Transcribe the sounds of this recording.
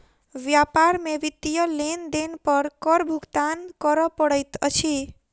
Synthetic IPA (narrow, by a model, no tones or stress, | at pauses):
ʋjapaɾmeʋit̪ːijʌlend̪enpʌɾkɔɾbʱukt̪ankɔɾɔpɔɽɔjt̪ʌ̰t͡ʃʰi